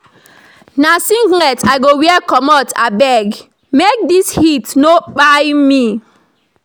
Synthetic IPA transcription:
nasĩŋɡlɛtaɪɡowɛɛkɔmɔtʰa̰bɛɡ | mek̚dishitnoɓajmi

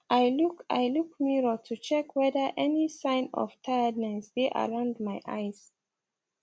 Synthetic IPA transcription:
ʔajluka̰jlukmiɹɔtʰut͡ʃɛkwɛðə˞ʔɛnisãɪ̃nɔ̰v̥tʰajəd̚naɪsdeʔə̰ɹãʊ̃ndmajʔa̰ɪz̥

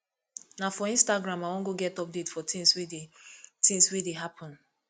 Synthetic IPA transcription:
nafɔĩnstaɡɾãmawɔ̃nɡoɡɛtɔp̚detfɔtĩnswedetĩnswedeɦapʰɔ̃n

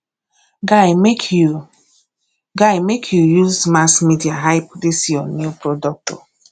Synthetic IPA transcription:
ɡaɪmek | ɡaɪmekʰjujuzmasmidiaɦaɪpdisjɔnupɾodɔk̚tɔ

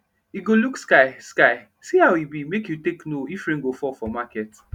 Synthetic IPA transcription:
iɡolukskaɪskaɪ | sihaʊibimekjuteknoifɾĩŋɡofɔfɔmakɛt

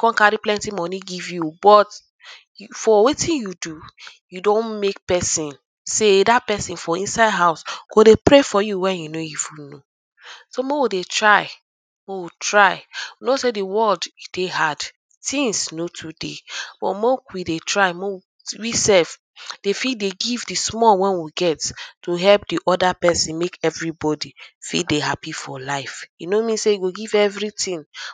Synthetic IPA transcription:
kɔ̃nkaɾiplɛ̃ntimɔniɡivjubɔt | fɔwetĩnjudujudõnmek̚pɛsĩn | sedat̚pɛsĩnfɔĩnsaɪdɦaʊsɡ̥odepɾefɔjuwɛ̃njunojifuno | somɔ̃widetɹaɪ | mɔwitʰɹaɪwinosediwɔldid̥ehad | tĩnsnotʰudḛb̥ɔ̰mɔ̃kwidetʰɹaɪmɔ̃w | wisɛlf | d̥efideɡivdismɔwɛ̃nwiɡɛttuɦɛlp̚diʔɔdapɛsĩnmekɛvɹibɔdifḭdeɦapifɔlaɪfinomĩnsejuɡoɡivɛvɹitĩn

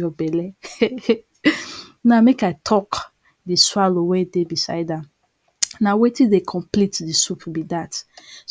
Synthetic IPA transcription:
jɔbɛlɛ | namekaɪtʰɔk | diswalowɛ̃debisa̰ɪdãm | nawetĩdekʰɔ̃mplitdisupbidats

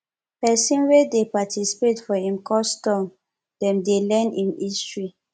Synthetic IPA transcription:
pɛsĩnwedepatʰisi̥petfɔĩmkɔstɔ̃m | d̥ɛ̃mdelɛnĩnistɹi

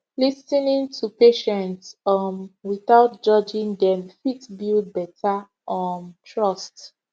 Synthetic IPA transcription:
lisinĩŋtʰupeʃɛ̃ntsɔnwiθaʊt̚d͡ʒɔd͡ʒĩŋdɛ̃mfitbild̚bɛtʰa | ʔɔ̃ntʰɹɔst

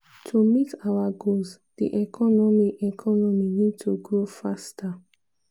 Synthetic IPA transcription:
tʰumitʰawaɡoz | d̥ḭʔɛkʰɔnɔmiɛkʰɔnɔminid̚tʰuɡɹofastʰa

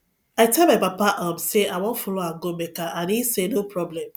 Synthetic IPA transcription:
aɪtʰɛlmaɪpapaʔɔmseawɔ̃ntfɔloãŋɡomɛkaʔãnisenopʰɹɔblɛ̃m

